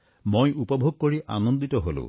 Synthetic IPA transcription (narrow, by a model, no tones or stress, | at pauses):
mojupɔbʱoɡ̚koɹiʔa̰nond̪itɔɦo̰lʊ̰̃